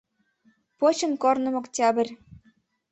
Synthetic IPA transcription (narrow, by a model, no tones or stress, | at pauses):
pot͡ɕɤ̆nkornɤ̆moktʲɑbɘ̆rʲ